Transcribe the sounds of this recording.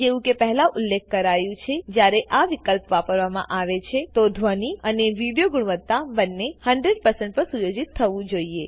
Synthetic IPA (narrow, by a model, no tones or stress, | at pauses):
d͡ʒeʋũkepəɦɛlaʔʊlːek̚ʰkəɾajũt͡ʃʰed͡ʒjaɾeʔaʋikəlpʋapəɾʋamã̰ʔaʋet͡ʃʰet̪od̪ʱʋəniəneʋiɽijoɡuɽ̃ʋət̪ːabənːehə̃ɳɖɾeɖ̚pəɾsə̃ɳʈ̚pəɾsujod͡ʒit̪ʰːəʋũd͡ʒoie